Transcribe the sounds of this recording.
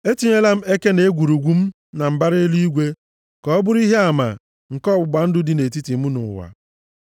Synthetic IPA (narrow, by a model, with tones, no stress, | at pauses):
e˦ti˨ɲe˦la˦m̩˦e˦ke˦ne˨e˦ɡʷu˨ɾu˨ɡʷu˦m̩˦ | na˨m̩˨ba˦ɾe˦lu˦i˦ɡʷe˦ | kɔ˨˦bʊ˦ɾi˦ɦe˦a˨ma̰˨ | ŋ̩˨kɔ˦bʷʊ˨ɡ͡ba˨n̩˦dʊ˦dɪ˨ne˨ti˦ti˨mu˦nʊ̰˨wa̰˨